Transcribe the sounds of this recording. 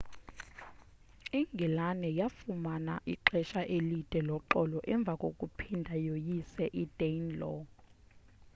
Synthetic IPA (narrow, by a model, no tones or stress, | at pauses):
iŋɡʱɛlanɛjafumanaʔiǃɛʃaʔelid̥ʱɛlɔǃɔlɔʔɛɱb̪vʱakʼokʼupʰindʱajojisɛʔid̥enlɔ